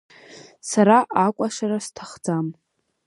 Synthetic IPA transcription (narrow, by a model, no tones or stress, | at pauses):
saɾaʔakʷʼaʂaɾastʰaχd͡zam